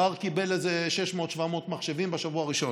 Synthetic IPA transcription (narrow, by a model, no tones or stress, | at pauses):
aʁkibe̞lezeʃeʃmot̪ʃvamo̞ːt̪maχʃevimbeʃavuaʁiʃo̞